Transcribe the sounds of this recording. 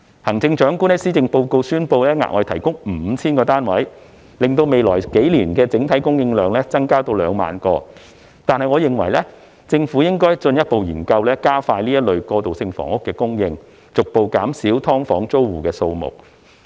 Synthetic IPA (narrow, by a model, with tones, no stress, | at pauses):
hɐ˨˩ŋt͡sɪ˧ŋt͡ʃœː˨˥ŋkuː˥nɛ˥siː˥t͡sɪ˨˧ŋpo˧wko˧wsyː˥npo˧wlɛː˥ŋa̰ː˨ʔɔː˧˨t̪ʰɐ˨˩jkʊ˥ŋm̩˨˩˧t͡sʰiː˥nkɔː˧t̪aː˥nwɐ˨˥j | lɪ˨ŋt̪o˧wme˨jlɔː˨˩jke˨˥jliː˨˩nkɛː˧t͡sɪ˨˥ŋt̪ʰɐ˨˥jkʊ˥ŋjɪ˧ŋlœː˨ŋlɛː˥t͡sɐ˥ŋkaː˥t̪o˧wlœː˨˧ŋma̰ː˨˧nkɔː˧ | t̪aː˨nhɐ˨jŋɔː˨˧jɪ˨ŋwɐ̰˨˩jlɛ˥ | t͡sɪ˧ŋfuː˨˥jɪ˥ŋkɔː˥jt͡sɵ˧njɐ˥t̚po˨wjiː˨˩nkɐ˧wlɛː˥kaː˥faː˧jliː˥jɐ˥t̚lɵ˨˧ɥkɔː˧t̪o˨wsɪ˧ŋfɔ̰ː˨˩ŋʊ˥kːɛː˧kʊ˥ŋjɪ˧ŋ | t͡sʊ˨k̚po˨wkaː˨˥msiː˨˥wt̪ʰɔː˥ŋfɔː˨˥ŋt͡so˥wwuː˨˩kɛː˧so˧wmʊ̰˨˩k̚